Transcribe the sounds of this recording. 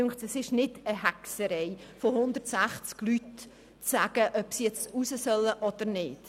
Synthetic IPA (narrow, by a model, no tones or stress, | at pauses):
ŋχtɛsɪʃnɪdəɦæksəɾɛjfohʊnd̪ərtsæχt͡sklyt | t͡sæːɡ̥əʔœpsijɛt͡stusəsœlːəʔɔd̪̥əɾnɪːd̥